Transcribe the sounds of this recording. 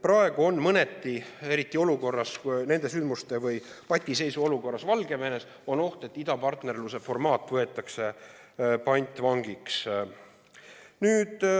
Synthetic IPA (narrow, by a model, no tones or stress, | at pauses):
prɑe̞ɡ̥uo̞nːmɤne̞t̪ːie̞ɾit̪ːˑio̞luko̞rːɑsne̞nd̪̥e̞s̬ynd̪must̪e̞vɯjpɑt̪ʲːˑise̞jsuo̞luko̞rːɑsvɑlɡe̞ve̞ne̞s | o̞no̞ht̪e̞t̪ːˑid̪ɑpɑrt̪ne̞rluse̞fo̞rmɑːt̪ːˑvɤe̞t̪ːˑɑkse̞ | pɑnʲt̪ʲːˑvɑŋɡiks | nyːd̪̥